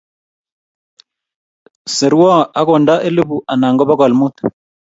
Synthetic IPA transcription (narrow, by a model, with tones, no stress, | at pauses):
se˨ɾu˦wa˦a˦kɔ˨nda˦ʔe˦le˦bu˨ʔa˨na˨ŋɡɔ˦ba˦ka˨lmu˦˨t̪u̥˨